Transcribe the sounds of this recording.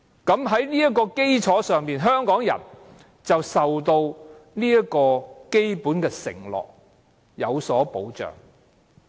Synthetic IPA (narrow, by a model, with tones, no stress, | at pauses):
kɐ˨˥mɦɐ˨˥jniː˥jɐ˥t̚kːɔː˧ke˥jt͡sʰɔː˨˥sœː˨ŋmiː˨nɦœː˥ŋkɔː˨˥ŋjɐ̰˨˩n | t͡sɐ˨wsɐ˨wt̪o˧wniː˥ɐ˥kɔː˧ke˥jpuː˨˥nkɛː˧sɪ̰˨˩ŋlɔ̰ː˨k̚ | jɐ˨˧wsɔː˨˥po˨˥wt͡ʃœ̰ː˨˩ŋ